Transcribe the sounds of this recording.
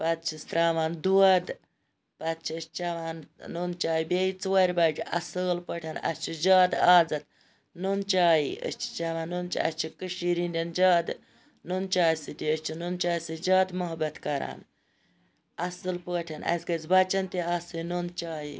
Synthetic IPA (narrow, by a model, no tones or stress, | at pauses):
pɐt̪̚t͡ʃʰist̪ɾaːʋaːnd̪uɐd̪ | pɐt̪̚t͡ʃʰiəst͡ʃɐʋaːnnont͡ʃaːjibʲeit͡swɐɾʲbɐd͡ʒiɐ̰səːlpəʈʲʰɐnɐ̰sʲt͡ʃʰid͡ʒaːd̪aːd͡zɐt̪̚ | nont͡ʃaːjiə̰st͡ʃʰi̥t͡ʃɐʋaːnːont͡ʃḭɐ̰st͡ʃʰikəʃiɾinʲdʲɐnd͡ʒaːd̪ | nont͡ʃaːjsɨd̪iəst͡ʃʰinont͡ʃaːjsɨd͡ʒaːd̪mɐɦɐbɐt̪kɐɾa̰ːn | ɐsɨlpəːʈʰɐnʔɐ̰sʲɡɐzbɐt͡ʃɐnt̪iasɨnont͡ʃaːji